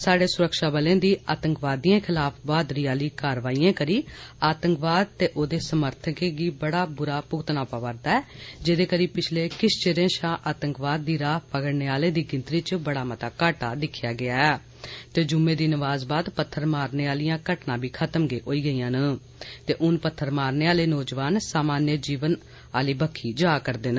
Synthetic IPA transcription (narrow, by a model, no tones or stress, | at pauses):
saːɖeːsʊɾəkʃaːbəlẽːd̪iːʔaːt̪əŋkʋaːd̪iːãːkʰɪlaːpʰʋaːd̪ɾiːaːliːkaːɾʋaːiːãːkəɾiːaːt̪əŋkʋaːd̪̚t̪eːʔoːd̪eːsəməɾt̪ʰəkeːɡiːbəɽaːbʊɾaːpʊɡt̪ənaːpaːʋəɾd̪aːɛːd͡ʒed̪eːkəɾiːpɪt͡ʃʰleːkɪʃt͡ʃeɾẽːʃaːʔaːt̪əŋkʋaːd̪̚ːiːɾaːpəkəɽneːaːleːd̪iːɡɪ̃nt̪ɾiːt͡ʃbəɽaːmət̪aːkaːʈaːd̪ɪkʰːjaːɡɪaːɛː | t̪eːd͡ʒʊmẽːd̪iːnəʋaːzbaːd̪pət̪ʰːəɾmaːɾneːaːlijãːkəʈnãːbʱiːkʰət̪əmɡeːʔoːiːɡəiːãːnə | t̪eːʔʊnpət̪ʰːəɾmaːɾneːaːleːnoːd͡ʒʋaːnsaːmaːnjəd͡ʒiːʋən | aːliːbəkʰːiːd͡ʒaːkəɾd̪eːn